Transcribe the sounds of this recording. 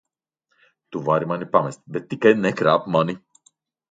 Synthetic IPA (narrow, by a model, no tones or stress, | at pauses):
t̪uvaɾimanipamɛst̪bɛt̪ːikajnɛkɾapmani